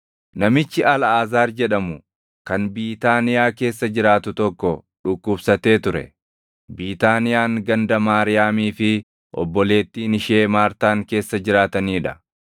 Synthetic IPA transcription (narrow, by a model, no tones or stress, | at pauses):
nɐmɪt͡ʃːɪʔɐlɐaːzaːɾd͡ʒɛᶑɐmʊ | kɐnbiːt̪aːnɪjaːke̞ːsːɐd͡ʒɪɾaːt̪ʊt̪ɔkːɔ | ᶑʊkːʊbsɐt̪e̞ːt̪ʊɾɛ̰ | biːt̪aːnɪjaːŋɡɐnd̪ɐmaːɾɪjaːmiːfɪ | ʔɔ̰bːɔle̞ːt̪ːiːnɪʃe̞ːmaːɾt̪aːŋke̞ːsːɐd͡ʒɪɾaːt̪ɐniːᶑɐ